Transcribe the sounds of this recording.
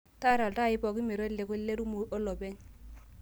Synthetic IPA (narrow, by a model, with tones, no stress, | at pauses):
ta˦ɾa˨lta˦˨ɪ˦pɔ˨ki˦me˨ɾo˦le˦kɔ˦le˦ɾu˦mu˨ʔɔ˦lɔ˨bɛ˦ɲ